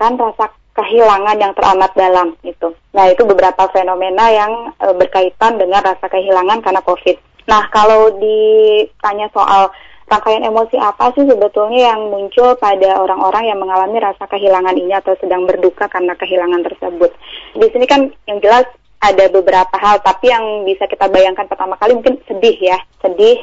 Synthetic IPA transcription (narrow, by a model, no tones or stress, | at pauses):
kanrasa | kəɦilaŋanjaŋt̪ərʔa̰mat̪̚dalamɡit̪u | nahit̪ubəbəɾapafenomenajaŋəbərkait̪andəŋanrasakəɦilaŋankarnakofɪt̪̚ | nahkalawdit̪aɲasoʔa̰l | raŋkajanemosiʔapasɪhsəbət̪ulɲajaŋmuɲt͡ʃʊlpadaʔoɾaŋoɾaŋjaŋməŋalamiɾasakəɦilaŋaniniat̪awsədaŋbərdukakarnakəɦilaŋant̪ərsəbʊt̪̚disinikanjaŋd͡ʒəlas | ʔadabəbəɾapaɦalt̪apijaŋbisakit̪abajaŋkanpərt̪amakalimuŋkɪnsədɪhjasədɪh